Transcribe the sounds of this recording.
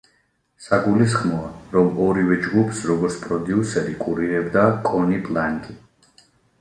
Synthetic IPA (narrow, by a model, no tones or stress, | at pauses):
saɡulis̬χmɔaɾɔmɔɾivɛd͡ʒɡupʰsɾɔɡɔɾt̪spʼɾɔd̪iusɛɾikʼuɾiɾɛbd̪akʼɔnipʼlˠaŋkʼi